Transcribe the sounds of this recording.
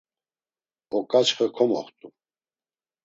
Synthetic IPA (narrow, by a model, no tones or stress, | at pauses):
ɔkʼat͡ʃχəkʰɔmɔ̰χt̪ʼu